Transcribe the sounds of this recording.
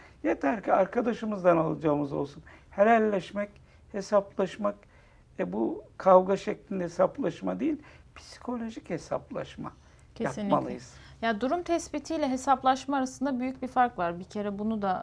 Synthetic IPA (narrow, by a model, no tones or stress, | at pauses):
jet̪ʰæɾcʰiaɾkʰad̪aʃɯmɯzd̪analˠad͡ʒaːmɯzo̞̰lˠsunheɾʲælʲːɛʃmɛc | he̞saplˠaʃmak | ɛbukʰavɡaʃɛclʲind̪ɛhesaplˠaʃmad̪ejilʲpʰi̥si̥kʰo̞lʲo̞ʒiche̞sa̰plˠa̰ʃma̰ | cʰejap̪inʲmalˠɯjɯzjad̪uɾumt̪ʰɛsbit̪ʰijlʲɛɦe̞saplˠaʃmaaːɾasɯnd̪abyjyc̚bifaɾkvaɾbicʰe̞ɾɛbunud̪a